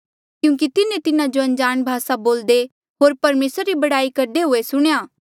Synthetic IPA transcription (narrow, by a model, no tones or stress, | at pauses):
kjũːk̬it̪ɪnẽt̪ɪnãd͡ʒoɐ̃nd͡ʒaːñbʱaːsaboːld̪e | ɦoːɾpɐɾmeːsɾɾibɐɽaːikɐɾd̪eɦoːesʊɽ̃ejaː